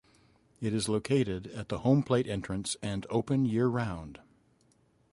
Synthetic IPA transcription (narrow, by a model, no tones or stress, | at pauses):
ɨɾɨzloʊkʰeɪɾɪɾɨt̪̚ðəhõʊ̃mpʰl̥eɪɾɛ̃nt͡ʃɹ̥ɨ̃nsɨ̃noʊpɨ̃njɪɹɹãʊ̃nd̥